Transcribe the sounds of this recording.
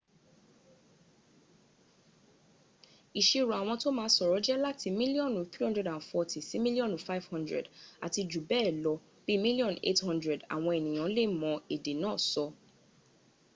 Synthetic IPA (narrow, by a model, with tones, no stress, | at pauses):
i˨ʃe˧ɾu˨a˨w̃ɔ̃˧to˦mãː˧˦sɔ˨ɾɔ˨˦d͡ʒɛ˦la˦ti˧mĩ˦li˦ɔ̃˦˨nũ˨˦θɾi˦hɔ̃˦ndɾɛ˨dã˨nfɔ˧ti˨si˨˦mĩ˦li˦ɔ̃˦nũ˨fa˦ivhɔ̃˦ndɾɛ̰˨da̰˨ti˧d͡ʒu˨bɛ˦˨lɔ˧ | b̥i˦mĩ˦li˦ɔ̃˨nḛ˦thɔ̃˦ndɾɛ˨da̰˨w̃ɔ̃˧ɛ˨nĩ˨j̃ã˨˦le˦˨mɔ̃˧e˨de˨nãː˨˦˨sɔ˧